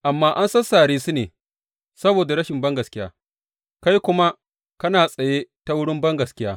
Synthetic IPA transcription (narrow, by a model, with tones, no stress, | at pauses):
ʔa˨mːaː˦ʔa˦nsɐ˦saː˨ɽiː˦su˦neː˨ | sɐ˦boː˨da˨ɽɐ˦ʃɪ˨mbɐ˦ŋɡɐ˨skʲɪ˦ja̰ː˦ | ka˦jkʷʊ˦ma˦ | kɐ˦naː˨sʼɐ˨jeː˦ta˦wʊ˦ɽɪ˦mbɐ˦ŋɡɐ˨skʲɪ˦jaː˦